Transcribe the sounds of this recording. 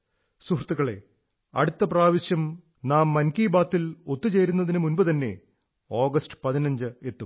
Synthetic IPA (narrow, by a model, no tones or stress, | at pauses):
suhrɐt̪ːuɣɐɭe̞̰ | ɐ̰ɽut̪ːɐpraːʋiɕjɐm | naːmːɐnkiːbaːt̪ːilo̞t̪ːut͡ɕe̞jɾunːɐðinɨmunbɐt̪ɐnːe̞̰ | o̞ːɡɐsʈɨ̥pɐðinɐɲd͡ʑɨet̪ːum